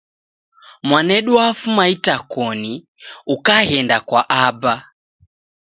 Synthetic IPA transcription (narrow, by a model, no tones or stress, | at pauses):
mwanɛɗuafumaitakɔni | ukahɛndakwaʔaba